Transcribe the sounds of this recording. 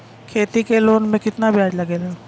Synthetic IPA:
kʰeːt̪ikeloːnmẽkɪt̪nabʱjaːd͡ʒlɐɡeːle

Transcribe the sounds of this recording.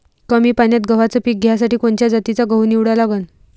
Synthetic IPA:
kəmiːpanjat̪̚ɡəʋat͡səpiːk̚ɡʱjas̬aʈiːkoɳt͡ɕjad͡zat̪it͡saɡəwniʋɽalaɡən

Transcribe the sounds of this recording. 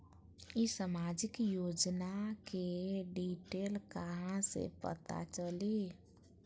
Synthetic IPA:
isəmad͡ʒikjod͡ʒnakeɖiʈelkəɦãsḛpə̰t̪a̰t͡ʃəli

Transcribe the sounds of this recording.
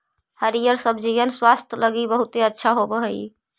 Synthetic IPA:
həɾijəɾsəbd͡ʒijənswast̪ʰjləɡibəɦut̪eətːʃʰaɦobəɦəi

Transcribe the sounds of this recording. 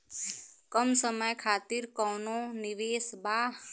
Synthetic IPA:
kəmsəməjkʰaːt̪iɾkɔːnonɪʋeːsbaː

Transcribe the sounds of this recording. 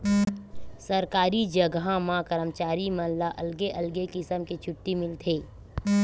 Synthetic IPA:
səɾkaːɾid͡ʒəɡãmãkəɾəmt͡ʃaːɾimɐ̃laʔɐlɡeʔɐlɡekɪsəmket͡ʃʰʊʈːimɪlt̪ʰeː

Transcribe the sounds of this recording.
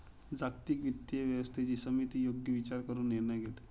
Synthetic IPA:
d͡zak̚t̪iːkʋit̪jəʋjəʋəst̪ʰet͡ɕiːsəmit̪iːjoɡjəʋit͡ɕaɾkəɾuːnːiɾɳəjɡʱet̪e̥

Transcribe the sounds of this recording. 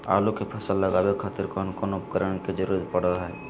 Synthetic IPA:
a̰lukepʰəsəlːəɡabekʰat̪iɾkɔɦnkonoupəkəɾəɳked͡ʒəɾuɾət̪̚pəɽəɦɛ

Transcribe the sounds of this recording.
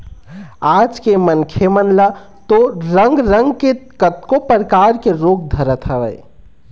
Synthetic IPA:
aːd͡ʒkemənkʰemənla | t̪oɾəŋɡɾəŋɡkekət̪̚kopəɾkaːɾkeɾoːk̚d̪ʱəɾət̪ɦəʋəj

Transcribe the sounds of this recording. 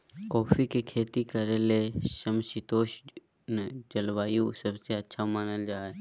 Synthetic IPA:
kɔːfʰikekʰeːt̪ikəɾeleʃəmsit̪oːʃ | nd͡ʒɐlʋaːjũsəbseɐtːʃʰamaːnəld͡ʒaːe

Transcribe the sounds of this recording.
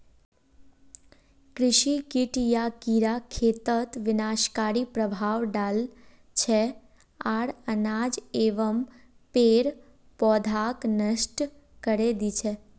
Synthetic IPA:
kɾɪʃikiʈjakiɾakʰet̪ət̪ʋɪnaʃkaɾipɾəbʱaʋɖal | t͡ʃʰe | aɽənad͡ʒeʋəm | peɾ | pɔd̪ʱaknəʃʈ | kəɾed̪it͡ʃʰe

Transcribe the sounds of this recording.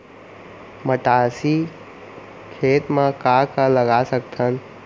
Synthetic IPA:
məʈaːsi | kʰeːt̪mə̃kaːkaləɡasək̚t̪ʰən

